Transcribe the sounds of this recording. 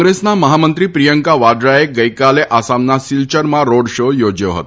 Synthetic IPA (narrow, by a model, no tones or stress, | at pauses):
ɡɾesnaməɦamənt̪ɾiːpɾijəŋkaʋad̪ɾajek̚ɡəjkaleʔasamnːasilt͡ɕəɾmaɾoɽɕojod͡ʑəʋɦo̰t̪